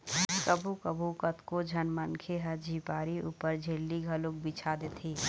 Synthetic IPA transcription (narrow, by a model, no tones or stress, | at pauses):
kəbʱukəbʱukət̪kod͡ʒʱɐnmənkʰeɦəd͡ʒʱiːpaːɾiṵːpəɾd͡ʒʱelːiɡʱɐlʊk̚bit͡ʃʰad̪eːt̪ʰiː